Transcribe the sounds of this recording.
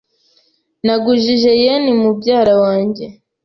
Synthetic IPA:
naɡuʒiʒejenimubɟaːɾawaːɲɟe̞

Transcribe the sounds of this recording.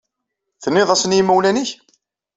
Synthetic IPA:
θənːɪðˤæsənjimːuwlæniç

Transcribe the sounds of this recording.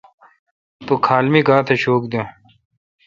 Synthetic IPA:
t̪okʰaːlmiːkaːt̪ʰeɕoːkd̪ẽ

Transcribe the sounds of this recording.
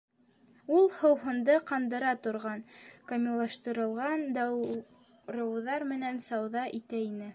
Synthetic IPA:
ulˠhɤ̆wɦɤ̆nd̪ɤqɑnd̪ɤ̆ɾɑt̪ŏɾʁɑnkɐmʲilˠɑʃt̪ɤ̆ɾɤ̆lˠʁɑnd̪ɑ | ɾɤ̆wðɑɾmɘ̆nænsɑwðɑʔit̪æinɘ

